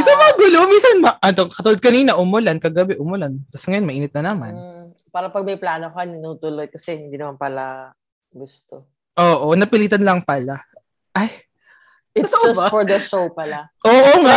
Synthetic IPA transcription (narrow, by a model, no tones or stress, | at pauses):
ɪt̪omɐŋɐɡulominsɐnmɐʔɐd̪okɐt̪ulod̪̚kɐniːnɐʔʊmʊlankɐɡɐbɛʔʊmʊlant̪ɐsŋɐjomɐʔiːnɪt̪nɐnɐma̰n | paːɾɐpɐɡ̚mɐjplaːnokanɐnuːt̪ʊlod̪̚kɐsɛhɪnd̪iːnɐmanpɐla | ɡʊst̪o | ʔoːʔonɐpɪliːt̪ɐnlɐŋpɐla | ʔaj | ɪksfɔɹd̪ɐʃowpɐlaʔoːʔoŋa